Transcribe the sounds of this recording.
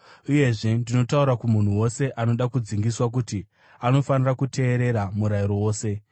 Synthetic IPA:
uje̞ʐe̞ndino̞tauɾakumun̤uwo̞se̞ʔano̞ɗakud͡ziŋɡiswak̬uti | ano̞fanirakutʰe̞ːɾe̞ɾamuɾaiɾo̞woːse̞

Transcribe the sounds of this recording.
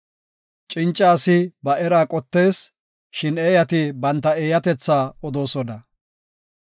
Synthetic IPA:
t͡ʃʼɪnt͡ʃʼːaːsɪbɐʔɛɾaːkʼɔt̪ːe̞ːs | ʃɪneːjɐt̪ɪbɐnt̪ːɐeːjɐt̪ɛt͡sːaːɔd̪o̞ːsɔnɐ

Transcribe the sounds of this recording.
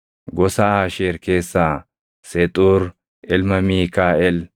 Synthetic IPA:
ɡɔsaːaːʃeːɾkeːsːaː | sɛt̪ʼuːɾ | ʔɪlmɐmiːkaːʔɛl

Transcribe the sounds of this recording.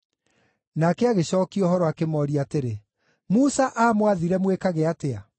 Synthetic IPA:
nakɛaɣeɕɔːkiɔhɔɾɔakemɔɾiateɾe | musaʔamwaðiɾɛmwekaɣeatea

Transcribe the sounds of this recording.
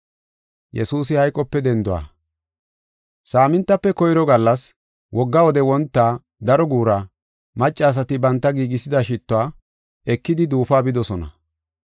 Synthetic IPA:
jɛ̰suːsɪhɐjkʼːɔpːɛd̪ɛnd̪ʊa̰ː | saːmɪnt̪ːɐpːɛkɔjɪɾɔɡɐlːɐs | wʔɔɡːɐwɔd̪ɛwɔnt̪ːaː | d̪ɐɾɔɡuːɾa | mɐt͡ʃʼːaːs̬ɐt̪ɪbɐnt̪ːɐɡiːɡɪsɪd̪ɐʃɪt̪ːʊaː | ɛkːɪd̪ɪd̪uːfaːbɪd̪ɔsɔnɐ̰

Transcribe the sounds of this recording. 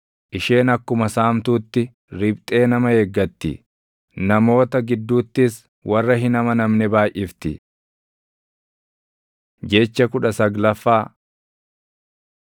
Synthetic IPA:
ʔɪʃeːnɐkːʊmɐsaːmt̪uːt̪ːɪ | ɾɪbt̪ʼe̞ːnɐmɐheɡːɐt̪ːɪ̰ | nɐmo̞ːt̪ɐɡɪd̪ːuːt̪ːɪs | wʔɐrːɐɦɪnɐmɐnɐmnɛbaːjʔɪft̪ɪ̰ | d͡ʒɛt͡ʃːɐkʊᶑɐsɐɡlɐfːaː

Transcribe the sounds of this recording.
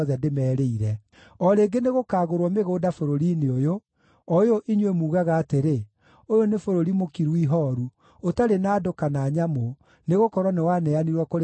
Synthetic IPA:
ðɛdemɛːɾeiɾɛ | ɔɾeɡeneɣokaːɣoɾwɔmeɣoːdafoɾoɾineojo | ɔjoʔiɲwemuːɣaɣaːteɾe | ojonefoɾoɾimokiɾwiɦɔɾu | otaɾenaːdokanaːɲamo | neɣokɔɾwɔnewanɛaniɾwɔkoɾ

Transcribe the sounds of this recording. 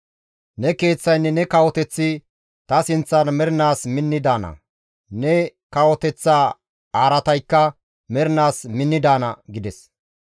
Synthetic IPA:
nɛke̞ːt͡sːɐjnːɛnɛkɐwɔt̪ɛt͡sːɪ | t̪ɐsɪnt͡sːɐnmɛɾɪnaːsmɪnːɪd̪aːnɐ̰ | nɛkɐwɔt̪ɛt͡sːaː | aːɾɐt̪ɐjkːɐ | mɛɾɪnaːsmɪnːɪd̪aːnɐɡɪd̪ɛs

